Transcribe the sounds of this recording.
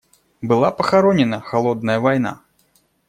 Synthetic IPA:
bɨlˠapɐxaɾɔnʲɛnɐxalˠɔd̪̚nɐjɐvajn̪a̰

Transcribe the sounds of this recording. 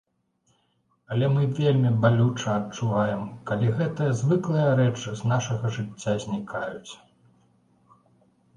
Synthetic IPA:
ɐlʲɛmɨvʲelʲmʲibalʲut͡ʂɐɐt͡ʂuvajɛmkalʲiɣɛt̪ɨjɐzvɨklˠɨjɐɾɛt͡ʂɨznaʂɐɣɐʐɨt͡sʲːazʲnʲikʰajut͡sʲ

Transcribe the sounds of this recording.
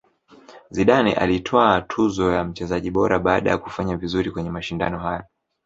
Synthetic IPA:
ziɗanɛ̰ʔa̰litʰɔatʰuzɔjam̩t͡ʃɛzaʄiɓɔɾaɓaːɗa̰ja̰ku̥faɲavizuɾikwɛɲɛmaʃinda̰nɔɦajɔ

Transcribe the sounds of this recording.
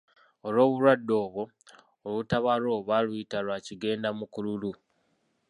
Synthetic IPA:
o̞lwo̞ːβuɾwadːo̞ːβo̞ː | lutaβalo̞ːβalujitalwaciɡe̞ːndamukululu

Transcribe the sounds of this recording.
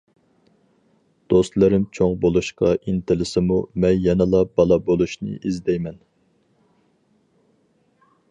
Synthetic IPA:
d̪̥ost̪lˠɨɾɪmt͡ʃʰoŋbolˠuʃqɑʔint̪ʰɪlɪsɪmumɛnjɛnɨlˠɑbɑlˠɑbolˠuʃnɨ̰ʔizd̪ɛjmɛn

